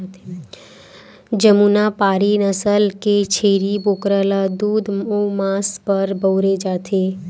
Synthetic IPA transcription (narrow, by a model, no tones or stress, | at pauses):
t̪ | d͡ʒəmuːnapaːɾinəsəlket͡ʃʰeːɾiboːkɾəlad̪uːd̪omaːspəɾbəwɾed͡ʒaːt̪ʰe